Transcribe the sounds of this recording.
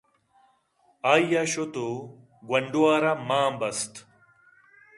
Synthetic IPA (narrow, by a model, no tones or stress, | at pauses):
aːjjaɕot̪o | ɡwɐɳɖuaːɾamaːmbɐst̪